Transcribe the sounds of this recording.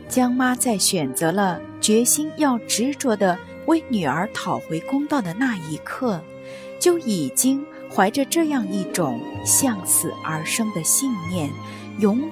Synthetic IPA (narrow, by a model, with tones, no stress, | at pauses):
t͡ɕjɑ˥ŋma˥t͡sa˥˩ɪɕɥɛ˨˩nt͡sɤ˧˥lə˧ | t͡ɕɥɛ˧˥ɕi˥njɑ˥˩ʊʈ͡ʂɻ̩˧˥t͡swɔ˧˥d̪ə˧ | we˧˥ɪny˨˩ə˞˧˥t̪ʰɑ˨˩ʊxwe˧˥ɪkʊ˥ŋt̪ɑ˥˩d̪ə˩na˥˩i˧˥kʰɤ˥˩ | t͡ɕjo˥˩ʊi˨˩t͡ɕi˥ŋ | xwa˧˥ɪʈ͡ʂə˧ʈ͡ʂɤ˥˧jɑ˥˧ŋi˥˩ʈ͡ʂʊ˨˩˦ŋɕjɑ˥˩˧ŋsʰɹ̩˨˩ə̰˞˧˥ʂɤ˥ŋd̪ə˨ɕi˥˧nnjɛ˥˩n | jʊ˧˥ŋ